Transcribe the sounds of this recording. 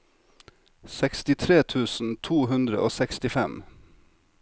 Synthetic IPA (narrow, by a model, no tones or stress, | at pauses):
sɛkst̪ɪt̪ʰɾeːt̪ʰʉːsn̩t̪ʰuːhʉnd̪ɾə̰ʔoːsɛkst̪ɪfɛm